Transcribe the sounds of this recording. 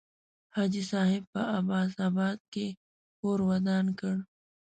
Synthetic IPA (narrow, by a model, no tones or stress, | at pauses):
haːd͡ʒisaːɦɪb̚pɐabaːzaːbaːd̪̚ke | koːɾwɐd̪aːnkəɽ